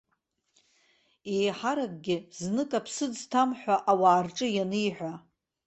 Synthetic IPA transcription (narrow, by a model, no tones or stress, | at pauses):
ejħaɾakʼɡʲɪznɨkʼapʰsɨd͡ztʰamħʷᶣaʔawaːrʈ͡ʂʼɨjanɨjħᶣʷa